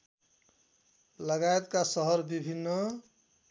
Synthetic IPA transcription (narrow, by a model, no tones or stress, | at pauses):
lʌɡaet̪kasʌɦʌɾbibʱinːʌ